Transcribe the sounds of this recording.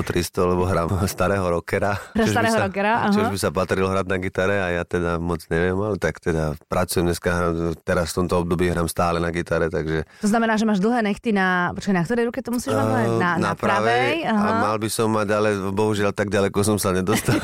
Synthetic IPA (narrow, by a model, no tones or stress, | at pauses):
t̪ɾist̪ɔlɛbɔɦɾaːmst̪aɾɛːɦɔɾɔkɛɾat͡ʃɛuabɾɛːɦɔɾɔkɛɾaaɦt͡ʃuʒbisapat̪ɾilɔɦɾad̪naɡit̪aɾɛajat̪ɛd̪amɔd͡zɲɛʋɪɛmalɛt̪akt̪ɛd̪apɾat͡sujɛmɲɛskaɦɾaːmt̪ɛɾasft̪ɔmt̪ɔɔb̚d̪ɔbiːɦɾaːmst̪aːlɛnaɡit̪aɾɛt̪aɡʒɛt̪ɔznamɛnaːʒɛmaːʒd̪l̩ˠɦɛːnɛxt̪inapɔt͡ʃkanakt̪ɔɾɛjɾukɛt̪ɔmusiːʒmaanapɾaʋɛjjaɦamalbisɔmːaɟalɛbɔɦuʒɪalt̪aɡ̚ɟalɛkɔs̬ɔmsaɲɛd̪ɔst̪a